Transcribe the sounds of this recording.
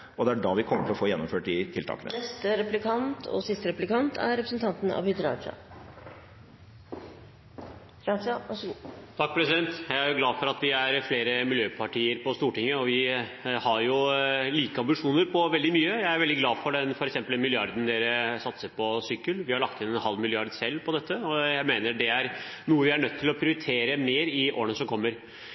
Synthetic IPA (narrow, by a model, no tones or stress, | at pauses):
ɔd̪ɛæɖɑʋɪkʰɔmːəʈʰɪlɔfoːjɛnːɔmføːʈd̪ɪt̪ʰɪlt̪ʰɑ̰ːkənə̰nɛst̪əɾɛplɪkʰɑnt̪ʰɔ̰sɪst̪əɾɛplɪkɑnt̪ʰæ̰ɾɾɛpɾəsn̩t̪ɑnt̪n̩ɑ̰ʋʏd̪əɾɑ̰ʂɑ̰ | ɾɑʂɑʋɑʂt̪ʰɑk̚ːpʰɾɛsɪd̪ɛnt̪jæɪæɾjʊɡlɑːdfɔɾɑt̪ʋɪæɾfleːɾəmɪljøːpʰɑʈiːəɾpɔst̪uːʈɪŋːəɔʋɪhɑɾjʊliːkəɑmbɪʂuːnəɾpʰɔʋɛld̪ɪmyːəjæɪæɾʋɛld̪ɪɡlɑːdfɔɖɛnfɔɾɛksɛmpːəlmɪlɪɑɾd̪ən̩d̪eːɾəsɑt̪səɾpʰɔsʏkːəlʋɪhɑɾɭɑk̚t̪ɪnɛnhɑlmɪlɪɑɾd̪sɛlːpʰɔd̪ɛt̪ʰːəɔjæɪmeːnəɖɛæɾnuːəʋɪæɳœt̪ʰːɪlɔpʰɾɪʊɾɪt̪ʰeːɾəmeːɾɪʔo̰ːəɳnəsɔmkʰɔmːəɾ